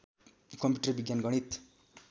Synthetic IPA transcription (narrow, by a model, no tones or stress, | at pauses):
kʌmpjuʈʌrbiɡjanɡʌɽ̃it̪